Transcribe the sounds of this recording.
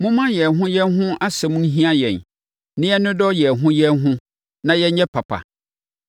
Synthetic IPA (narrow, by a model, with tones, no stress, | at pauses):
mʊ̃˦mã˦jɛ˨ɦʊ̃˦jɛ˦nɦʊ̃˦ʔa˦sɛ˨mũ˦n˦ɦĩ˦a˦jɛ̰̃˨n | nɪ̃˦ɛ˦nʊ̃˦dɔ˦jɛ˨ɦʊ̃˦jɛ˦nɦʊ̃˦ | nã˨jɛ˦ɲɛ̃˦pʰa˨pʰa̰˨